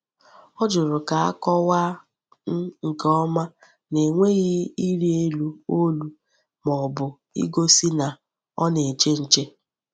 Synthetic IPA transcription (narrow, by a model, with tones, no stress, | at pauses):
ɔ˦d͡ʒʊ˨ɾʊ˨ka˨a˦kɔ˦wa˦ | n̩˦ŋ̩˨kɔ˦ma˦ | ne˨ŋʷe˦ɣɪ˦i˦ɾi˦e˦lu˦o˦lu˦ | mɔ˨bʊ˨ | ḭ˦ɡo˦si˦na˨ | ɔ̰˦ne˨t͡ʃe˦n̩˨t͡ʃe˦